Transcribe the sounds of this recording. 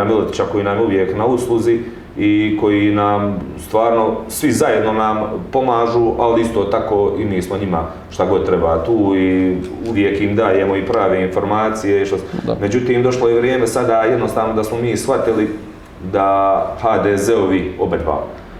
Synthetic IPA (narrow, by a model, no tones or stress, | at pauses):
amilot̪i̥t͡ɕako̞jiːnamuʋjeknauslˠuzi | iko̞jiːnaːmst̪ʋaːɾno̞sʋizaje̞d̪no̞nampo̞maːʒuːʔaliist̪o̞ːt̪ako̞ːʔiniːsmo̞ɲima | ʃt̪aɡo̞d̪̚t̪ɾebaːt̪uːi | uʋje̞kiːmd̪aːje̞mo̞ipɾaːʋeːinfo̞ɾmaːt̪sijeiʃt̪o̰me̞d͡ʑut̪iːmd̪o̞ʃlˠojeʋɾjeːme̞sad̪ajed̪nost̪aːʋno̞d̪asmo̞miːsxat̪ili | d̪ahaːd̪eːzeoʋio̞bed̪ba̰ːmo